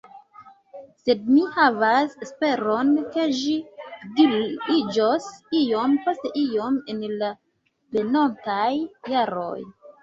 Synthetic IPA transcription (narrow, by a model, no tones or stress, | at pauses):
se̞d̚mihavasespe̞ɾonke̞ʒidiid͡ʒosijompo̞ste̞ʔio̞menla | benontajːaɾo̰j